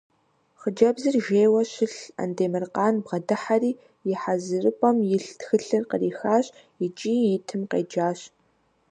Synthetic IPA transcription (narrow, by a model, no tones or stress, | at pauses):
χəd͡ʒɐbzɨrʒeːwɐɕɪɬɐ̰ndeːmɨrqɑːnbʁɐdɨħariː | jɪħazɨrɨpʼɐmjɪɬtxɨɬɨrqəriːxaːɕ | jɪt͡ʃʼiːjɪtʰɨmqḛːd͡ʒaːɕ